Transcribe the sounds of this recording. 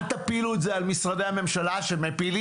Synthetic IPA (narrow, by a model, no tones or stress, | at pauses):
t̪apiluetzealmisʁadehame̞mʃalaʃemepili